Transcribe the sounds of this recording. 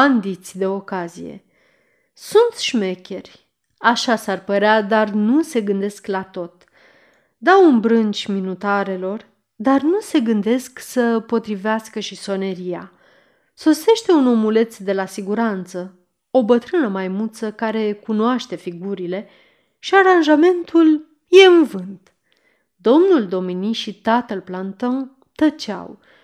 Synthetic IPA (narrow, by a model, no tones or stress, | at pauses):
and̪it̪sʲd̪e̞o̞kazḭje̞̰ | sunt̪sʃme̞kʲe̞rʲ | aʃasarpəɾead̪arnuse̞ɡɨnd̪e̞sklat̪o̞t̪ | d̪awunbɾɨnt͡ʃʲminut̪aɾe̞lo̞r | d̪arnuse̞ɡɨnd̪e̞sksəpo̞t̪ɾiveaskəʃiso̞ne̞ɾija | so̞se̞ʃt̪e̞uno̞mule̞t̪sd̪e̞lasiɡuɾant̪sə | o̞bət̪ɾɨnəmajmut̪səkaɾe̞kunoaʃt̪e̞fiɡuɾile̞ | ʃiaɾanʒame̞nt̪ul | je̞ɨnvɨnt̪ | d̪o̞mnuld̪o̞miniʃit̪at̪əlplant̪oŋ | t̪ət͡ʃa̰w